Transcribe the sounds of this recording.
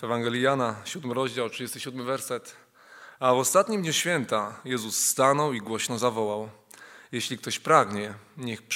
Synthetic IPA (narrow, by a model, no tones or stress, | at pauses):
vɛvaŋɡɛlʲjijanaɕud̪mɘɾɔʑd͡ʑawtʂɨd͡ʑest̪ɘɕud̪mɘvɛɾsɛt̪ | avɔst̪at̪ɲimd̪ɲuɕfʲjɛnt̪ajɛzusːt̪anɔwiɡwɔɕnɔzavɔwaw | jeɕlʲik̚t̪ɔɕpɾaɡɲɛɲɛxp